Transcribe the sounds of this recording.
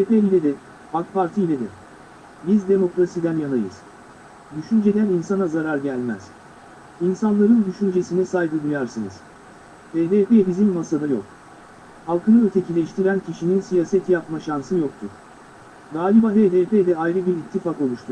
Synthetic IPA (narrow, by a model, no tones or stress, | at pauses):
epeilʲed̪ɛ | hakpʰaɾt̪ʰiːlʲed̪ɛ̰ | bizd̪e̞mo̞kɾasid̪ænjanˠajɯ̰z̥ | d̪yʃynd͡ʒe̞d̪æninsanazaɾaɾɟælʲmæ̰z̥ | insanlˠaɾɯnd̪yʃynd͡ʒe̞sinɛsajd̪ɯd̪ujaɾsɯnɯ̰z̥ | heːd̪eːpebizimːasad̪ajo̞̰k̚ | halˠkʰɯnɯøt̪ʰe̞cʰilʲɛʃt̪ʰiɾæncʰiʃininsijaːsɛt̪ʰjapmaʃansɯjo̞k̚t̪ʰuɾ̥ | ɡaːlʲibaɦeːd̪eːped̪ɛajɾɯbiɾit̪ʰːifako̞lˠuʃt̪ʰu